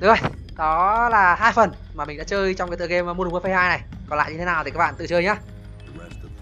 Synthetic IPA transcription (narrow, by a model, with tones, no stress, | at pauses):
ɗʊ˨˦kə˧˩j | kɔ˨˦laː˨˩haː˧jfə˨˩n | maː˨˩ï˨˩ŋ̟ɗ̰a̰ː˧˦˥t͡ɕəː˧jt͡ɕɔ˧wkːt̪ɨ˧˨˩ke˧mː˨˦m˧nː˨˩˨fə˧jhaː˧jna˨˩j | kɔ˨˩nla̰ː˧˨ɲɨ˧t̪e˨˦naː˨˩wt̪i˨˩a˦˥k̚ɓ̰a̰ː˧˨t̪ɨ̰˧˨t͡ɕəː˧jɲaː˨˧˦